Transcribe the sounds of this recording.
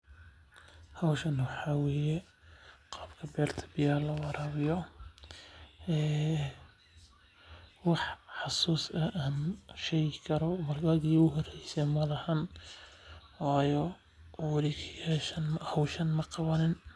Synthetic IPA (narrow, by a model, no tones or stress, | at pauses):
hɐwʃɐnwɑħɑwɛjɛ | qɑːbkʰɐbɛːrt̪ʰɐ̥bɪjaːrlɐwɑɾɑːβɪjɔ | ɛː | wɑħħɑsuːsɐʔaːnʃɛjɪkʰɐɾɔmɐrɡɐɣiːʊɦɔrɛjsɛmɐlɐhɐn | wɑːjɔ | wɑlikʰiɛʃɐnhɐwʃɐnmɐqɑβɐnɪn